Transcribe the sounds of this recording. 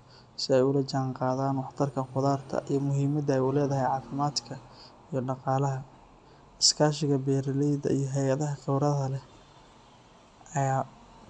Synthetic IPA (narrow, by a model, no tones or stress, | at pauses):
sɪɛjʊlɐt͡ʃaːɴqɑːðaːnwɑħt̪ʰɐrkʰɐnqʊðaːrt̪ʰɐ̰ʔijɔmʊɦiːmɐd̪ɐɛjulɛːðɐɦɛjʕɑːfɪmaːd̪kʰɐ | ijɞɖɑqɑːlɐɦɐ | ɪskʰaːʃɪɣɐbɛːɾɐlɛjd̪ɐ̰ijɞɦɛjɐðɐɦɐkʰɛwɾɐðɐlɛ | ɐjaː